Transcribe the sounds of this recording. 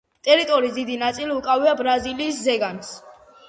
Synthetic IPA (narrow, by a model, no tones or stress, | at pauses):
t̪ʼɛɾit̪ʼɔɾiːsd̪id̪inat̪sʼiliukʼaviabɾaziliːszɛɡans